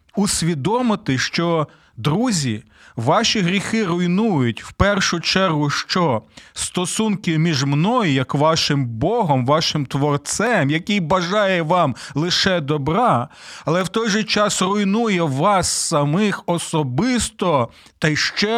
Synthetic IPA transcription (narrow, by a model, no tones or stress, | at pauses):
usʲʋʲid̪ɔmɪt̪ɪʃt͡ʃɔ | d̪ɾuzʲi | ʋɑʃʲiɦɾʲixɪɾʊjnujʊtʲwpɛrʃʊt͡ʃɛrɦʊʃt͡ʃɔst̪ɔsunkɪmʲiʒmnɔjʊjɐkʋɑʃɪmbɔɦɔmʋɑʃɪmt̪ʋɔrt̪sɛmjɐkʲijbɐʒɑjɛʋɑmlˠɪʃɛd̪ɔbɾɑɐlˠɛwt̪ɔjʒɛt͡ʃɑsrʊjnujɛʋɑsːɐmɪxɔsɔbɪst̪ɔ | t̪ɐjʃt͡ʃɛ